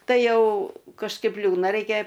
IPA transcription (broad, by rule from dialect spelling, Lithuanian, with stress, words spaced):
ˈtɐɪ ˈjɛʊ kɐʃˈkɐɪp ˈlʲuːdnɐ ˈrʲɛɪkʲɛ